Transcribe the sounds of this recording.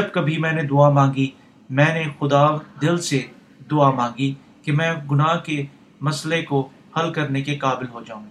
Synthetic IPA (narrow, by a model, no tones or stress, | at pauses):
d͡ʒɐbkɐbʱimɛ̃ːned̪ʊaːmãːŋɡi | mɛ̃ːnexʊd̪aːd̪ɪlse | d̪ʊamãːŋ̆ɡi | kemɛ̃ːɡʊnaːke | mɐsleko | hɐlkɐɾnekekaːbɪlɦod͡ʒaːũŋɡi